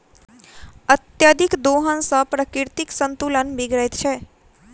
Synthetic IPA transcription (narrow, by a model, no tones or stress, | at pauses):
ət̪jad̪ikd̪oɦənsəpɾəkiɾt̪iksənt̪ulənbiɡɭəjt̪t͡ʃʰe